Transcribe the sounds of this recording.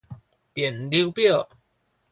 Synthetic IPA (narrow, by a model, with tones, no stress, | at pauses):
t̪jɛ˨˩nli˧˦wpji˥˩